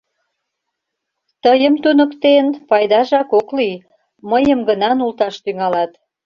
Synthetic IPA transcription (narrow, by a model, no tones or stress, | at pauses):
t̪əjəmt̪unə̆kt̪enpɑjd̪ɑʒɑkokli | məjəmɡənɑnult̪ɑʃt̪yŋɑlɑt̪